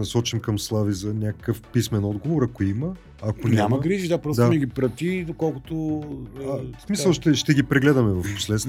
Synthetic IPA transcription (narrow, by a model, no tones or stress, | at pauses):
nɐsɔt͡ʃimkɐmslˠavizɐnʲakə̥kəfpismɛnɔd̪ɡovoɾɐkoiməː | konʲamɐɡɾiʒid̪apɾɔsd̪anɛɡʲipɾɐt̪id̪okɔlˠkʊt̪oasmisɐlˠʃt̪ɛʃt̪ɛɡipɾɛɡlɛd̪ɐmɛvɐfpo̥slɛt̪